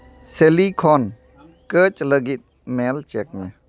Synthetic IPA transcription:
selikʰɔn | kət͡ʃləɡit̪̚ | mɛlt͡ʃɛk̚mɛ

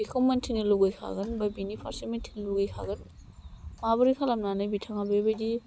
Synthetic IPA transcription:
bikʰomantʰiniluɡajkʰa̰ɡɐnbabinipʰaɾsimentʰiniluɡajkʰa̰ɡɐn | mabɐɾikʰalamnanajbitʰaŋabebajdi

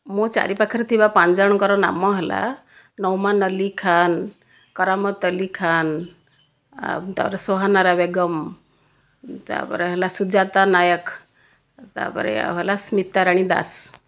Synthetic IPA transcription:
mɔt͡ʃa̰ɾipakʰəɾt̪ʰibapãnd͡zaɽ̃kɔɾɔna̰mːɔɦela̰ | nɔwmanəlikʰan | kɔɾamət̪əlikʰan | t̪a̰pɾesɔɦanaɾabeɡəm | t̪a̰pɔ̰ɾeɦelasud͡ʒat̪anajək | t̪a̰pə̰ɾḛɦelasmit̪ːaɾaɽ̃id̪a̰s

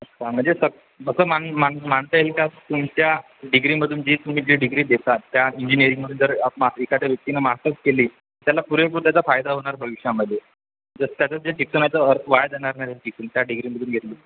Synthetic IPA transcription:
ətʰam̤əɳd͡zesəɡ̚ | bəsəmaɳmaɳm̤aɳt̪əelkat̪umt͡ɕja | ɖiɡɾiməd̪ʱuːnd͡ʑiːt̪um̤iːd͡ʑiːɖiɡɾiːd̪et̪at̪ːjaiɲd͡ʑinijəɾiŋməd̪ʱuːnt̪əɾapmaikat͡ɕjaʋjək̚t̪inəmaɦt̪ət̪keliː | t̪jalapuɾep̬uɾt̪jat͡safajd̪aɦoɳ̃aɾpəʋikʂaməd̪ʱje | d͡zəst̪jat͡səd͡zet͡ɕiksənat͡səəɾʋaɭd͡z̪aɳ̃aɾnaɾat͡ɕiksənt̪jaɖiɡɾiməd̪ʱuːnɡʱet̪liː

